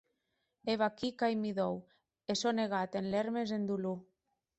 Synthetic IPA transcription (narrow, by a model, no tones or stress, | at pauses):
eβakikajmiðow | esoneɣ̞at̪enleɾmezend̪ulu